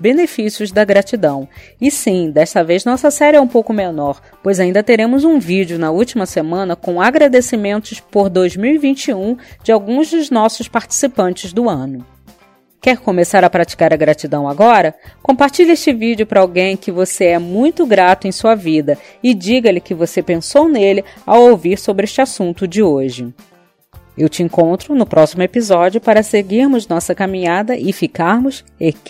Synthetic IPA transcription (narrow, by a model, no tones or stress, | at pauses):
benefisiʊzd̪ɐɡɾat͡ʃid̪ɐ̃w̃ | ɪsĩd̪ɛʃst̪ɐvejznɔsɐsɛɾɪɛũpowkʊmenɔɾ | pojzaĩnd̪ɐt̪eɾẽmʊzũvid͡ʒʊnɐuwt͡ʃimɐsemɐ̃nɐkõw̃aɡɾad̪esimẽnt̪ʊspoɾd̪ojzmiwivĩnt͡ʃiũd͡ʒɪawɡũzd̪ʊznɔsʊspaɾt͡ʃi̥sipɐ̃nt͡ʃɪzd̪ʊɐ̃nʊ | kɛɾkõmesaɾɐpɾat͡ʃi̥kaɾɐɡɾat͡ʃid̪ɐ̃w̃aɡɔɾɐkõpaɾt͡ʃiʎɐeʃt͡ʃɪvid͡ʒjʊpɾɐawɡẽj̃kɪvoseɛmũj̃t̪ʊɡɾat̪ʊẽj̃suɐvid̪ɐ | ɪd͡ʒiɡɐlɪkɪvosepẽsownelɪa̰wowviɾsobɾɪeʃt͡ʃɪasũnt̪ʊd͡ʒɪoʒɪ | ewt͡ʃɪẽŋkõnt̪ɾʊnʊpɾɔsimʊepizɔd͡ʒiʊpaɾɐseɡiɾmʊznɔsɐkamĩɲad̪ɐʔɪfikaɾmʊs | ek